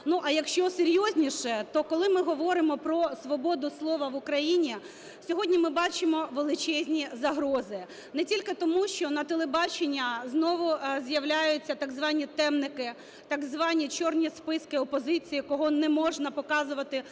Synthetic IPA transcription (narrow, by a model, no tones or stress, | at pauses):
nuʔɐjɐkʃt͡ʃɔseɾʲjɔzʲnʲiʃɛt̪ɔkɔlˠɪmɪɦɔʋɔɾɪmɔpɾɔsʋɔbɔd̪ʊslˠɔʋɐʋʊkɾɐjinʲi | sʲɔɦɔdʲnʲimɪbɑt͡ʃɪmɔʋelˠɪt͡ʃɛzʲnʲizɐɦɾɔzɪ | nɛtʲilʲkɪt̪ɔmuʃt͡ʃɔnɐt̪elˠebɑt͡ʃenʲːɐznɔʋʊzjɐwlʲajʊt͡sʲːɐt̪ɑɡzʋɑnʲit̪ɛmnɪkɪ | t̪ɑɡzʋɑnʲit͡ʃɔrnʲispɪskɪɔpɔzɪt͡sʲijikɔɦɔnɛmɔʒnɐpɔkɑzʊʋɐt̪ɪ